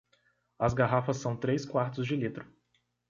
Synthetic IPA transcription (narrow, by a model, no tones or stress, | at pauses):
ɐzɡaɦafɐsːɐ̃w̃t̪ɾeskwaɾt̪ʊzd͡ʒɪlit̪ɾʊ